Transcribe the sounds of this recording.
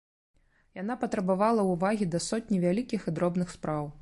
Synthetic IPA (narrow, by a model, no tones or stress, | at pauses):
jan̪apɐt̪ɾɐbavalˠɐuvaɣʲid̪ɐsɔt̪̚ʲnʲivʲalʲikʲixɨd̪ɾɔbnɨxspɾaw